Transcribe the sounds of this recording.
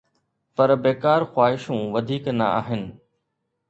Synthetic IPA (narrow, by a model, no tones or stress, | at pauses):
pɐɾbeːkaːɾxwaːɦɪʃũʋɐd̪ʱiːknɐ̰a̰ːɦɪnɪ̆